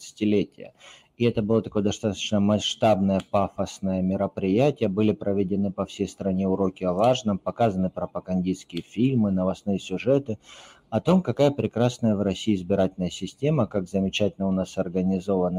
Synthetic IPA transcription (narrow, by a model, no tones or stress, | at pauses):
sə̥tʲɪlʲetʲɪjə̰ | ɪɛt̪əbɨlˠət̪ɐko̞jəd̪ɐst̪at̪ə̥t͡ɕnəmɐʂt̪abnəjəpafəsnəjəmʲɪɾəpɾʲɪjætʲɪjəbɨlʲɪpɾəvʲɪdʲɪnɨpɐfsʲejst̪ɾɐnʲe̞ʊɾo̞kʲɪɐvaʐnɨmpɐkazənɨpɾəpəɡɐnʲdʲiskʲɪjəfʲilʲmɨnəvɐsnɨjəsʲʊʐɛt̪ɨ | ɐt̪o̞mkɐkajəpɾʲɪkɾasnəjəvɾɐsʲːiːzbʲɪɾatʲɪlʲnəjəsʲɪsʲtʲe̞məkaɡzəmʲɪt͡ɕætʲɪlʲnəʊnasɐrɡənʲɪzo̞vənɨ